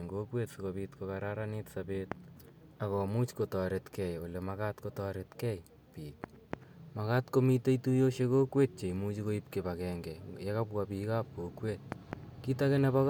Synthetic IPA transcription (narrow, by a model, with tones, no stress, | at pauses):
ŋɡo˦kwe˦tsu˨kopitkokaɾaɾanitsabet̚ | a˨kɔː˨mu˦t͡ʃko˨tɔɾetkɛ˨jo˨lemaka˦tkotɔ˦ɾetkɛ˦j | piː˨ | ma˨katko˦mi˦te˦itu˦jo˦ʃe˦ko˦kwe˦t̚t͡ʃe˨imut͡ʃi˦ko˦ip̚kebakɛːŋɡɛ˨je˦ka˦pwapi˨ka˦p̚ko˨kweːt̚ki˦takenɛbak